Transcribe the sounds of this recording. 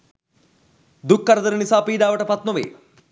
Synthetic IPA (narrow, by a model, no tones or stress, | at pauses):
d̪ukːɐɾɐd̪ɐɾɐnisaːpiːd̪aːʋɐʈɐpɐt̪mɐʋḛː